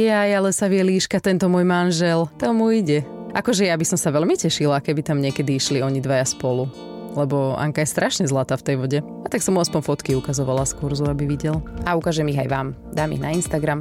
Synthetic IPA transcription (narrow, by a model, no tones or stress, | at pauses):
jajalɛsaʋɪɛliːʃkat̪ɛnt̪ɔmʊɔjmanʒɛlt̪ɔmuiɟɛʔakɔʒɛjabisɔmsaʋɛʎmicɛʃilakɛbit̪amɲɪɛkɛd̪iiʃliɔɲid̪ʋajaspɔlu | lɛbɔa̰ŋkajɛst̪ɾʔaʃɲɛzlat̪aːft̪ɛjʋɔɟɛ | at̪aksɔmuaspɔɲfɔt̪kiukazɔʋalaskuɾzuabiʋiɟɛlaukaːʒɛmiɣa̰jʋaːmd̪aːmḭɣnainst̪aɡɾam